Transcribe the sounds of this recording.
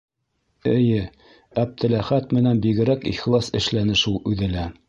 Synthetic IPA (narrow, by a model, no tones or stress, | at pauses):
ɘ̆jɘ | æb̚t̪ɘ̆læχæt̪mɘ̆nænbiɡɘ̆ɾækḭχlˠɑsɘ̆ʃlænɘʃulˠʉðɘ̆læ